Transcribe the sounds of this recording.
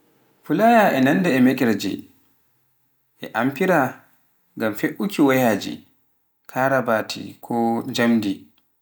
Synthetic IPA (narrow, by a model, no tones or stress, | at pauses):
fulajaʔɛnandɛɛmɛkʼɛɾd͡ʒɛ̰ | ʔɛʔampiɾa | ɡamfeʔukʰiwajaːd͡ʒḭ | kʰaɾabatʰḭkʰɔd͡ʒamdi